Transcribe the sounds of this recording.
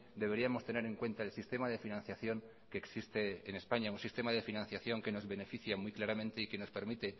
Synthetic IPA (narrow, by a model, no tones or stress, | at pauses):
d̪e̞βe̞ɾiamo̞st̪e̞ne̞ɾe̞ŋkwẽ̞nt̪aelsist̪e̞maðe̞finãnθjaθjo̞ŋ | ke̞ːksist̪e̞ːne̞spaɲaunsist̪e̞mað̞e̞finãnθjaθjo̞ŋke̞no̞zβe̞ne̞fiθjamwujklaɾamẽnt̪eike̞no̞spe̞ɾmit̪e̞